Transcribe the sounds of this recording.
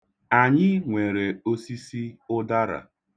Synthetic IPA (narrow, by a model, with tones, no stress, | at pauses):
a˨ɲɪ˦ŋʷe˨ɾe˨o˦si˦si˦ʊ˦da˦ɾa̰˨